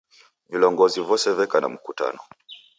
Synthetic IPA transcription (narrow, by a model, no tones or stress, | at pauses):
vilɔŋɡɔzivɔsɛvɛkana̰m̩kuta̰nɔ